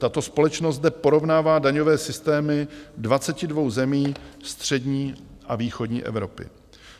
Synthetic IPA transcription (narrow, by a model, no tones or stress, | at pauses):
t̪at̪o̞spo̞lɛt͡ʃnost̪̚dɛpo̞ɾo̞vnaːvaːdaɲo̞vɛːsɪst̪ɛːmɪdvat͡sɛcɪdvo̞wzɛmiːst̪r̝̥ɛdɲiːʔaviːxo̞dɲḭːʔɛ̰vɾo̞pɪ̰